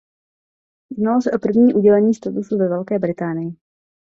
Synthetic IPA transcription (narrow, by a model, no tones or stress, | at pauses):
jdnalosɛʔo̞pr̩vɲiːʔuɟɛlɛɲiːst̪at̪usuvɛvɛlkɛːbɾɪt̪aːnɪjɪ